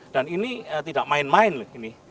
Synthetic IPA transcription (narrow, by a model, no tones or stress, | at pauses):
d̥aniniət̪idaʔmaɪnmaɪnləhini